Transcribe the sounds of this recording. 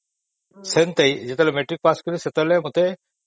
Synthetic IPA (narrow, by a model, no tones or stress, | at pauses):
sent̪ɐid͡ʑet̪ɐlmeʈɾik̚paskəɾiset̪əlemut̪e